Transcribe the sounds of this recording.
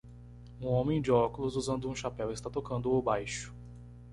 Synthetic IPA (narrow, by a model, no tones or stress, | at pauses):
ũõmẽj̃d͡ʒɪɔkʊlʊzuzɐ̃nd̪ʊũʃapɛwɪst̪at̪okɐ̃nd̪ʊobajʃʊ̥